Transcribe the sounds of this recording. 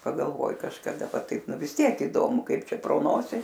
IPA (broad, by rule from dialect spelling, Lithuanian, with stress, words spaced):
pɐɡɐlˠˈʋoːjɪ kɐʃkɐˈdɐ ˈʋɐ ˈtɐɪp ˈnʊ ʋʲɪs ˈtʲiɛk ɪˈdoːmʊ ˈkɐɪp ˈt͡ʃʲɛ proː ˈnoːsʲɪ